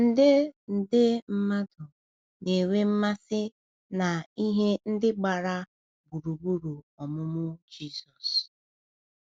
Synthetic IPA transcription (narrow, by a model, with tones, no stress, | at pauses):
n̩˦dɪ˦n̩˨dɪ˦m̩˦ma˦dʊ˨ | ne˨we˦m̩˦ma˦sɪ˦ | na˨i˦ɦe˦n̩˦dɪ˦ɡ͡ba˨ɾa˦ | bu˨ɾu˨bu˦ɾu˨ | ɔ˨mʊ˦mʊ˦d͡ʒi˦˨sɔ˨s